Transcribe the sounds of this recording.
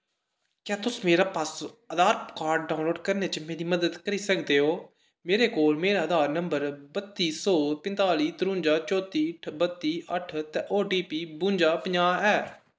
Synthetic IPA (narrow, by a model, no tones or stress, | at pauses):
kjãːt̪ʊsmeːɾaːpəsəd̪aːɾkaːɾɖ̚ɖaːʊ̃nloːɖkəɾneːt͡ʃəmeːɾiːməd̪əd̪kəɾiːsəkd̪eːɦoː | meːɾeːkoːlmeːɾaːəd̪ʱaːɾnəmbəɾbət̪ːiːsɔːpɪ̃nt̪aːliːt̪ɾʊ̃ːɲd͡ʒaːt͡ʃɔːt̪iːʈʰbət̪ːiːʔəʈʰt̪ɛːʔoːɖiːpiːbʊ̃ːɲd͡ʒaːpəɲaːɛː